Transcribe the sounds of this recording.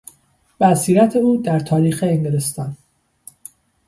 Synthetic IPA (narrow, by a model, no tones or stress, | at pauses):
bæsiːɾæt̪ʰe̞uːd̪æɾt̪ʰɒːɾiːxeːŋɡeɾest̪ɒn